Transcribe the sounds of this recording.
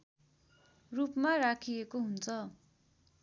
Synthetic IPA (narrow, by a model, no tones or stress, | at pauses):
rupmarakʰiekoɦunt͡sʰʌ